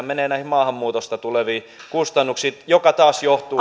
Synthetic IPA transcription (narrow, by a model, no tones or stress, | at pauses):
meneːnæihmɑːhɑmːuːt̪ost̪ɑt̪uleʋiː | kust̪ɑnːuksiːt̪jokɑt̪ɑːsjoht̪uː